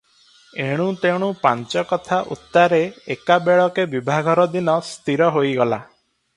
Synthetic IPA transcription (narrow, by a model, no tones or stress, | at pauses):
eɽ̃ũt̪eɽ̃upant͡ʃɔkɔt̪ʰaʔṵt̪ːaɾeekabeɭɔkebibʱaɡʱɔɾɔd̪inɔst̪iɾɔɦojɡɔla